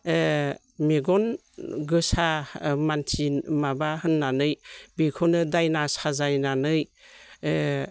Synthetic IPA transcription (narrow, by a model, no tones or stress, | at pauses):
meɡɔn | ɡɯsamantʰinmabahɯnːanɯjbikʰɔnɯdajnasazajnanɯj